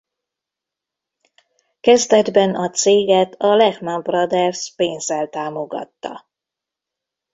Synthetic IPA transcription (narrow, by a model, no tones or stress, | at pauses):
kɛzd̪ɛd̪bɛnɒt̪seːɡɛt̪ɒlɛxnɒbrɒd̪ɛrspeːnzɛlt̪aːmoɡɒ̰t̪ːɒ̰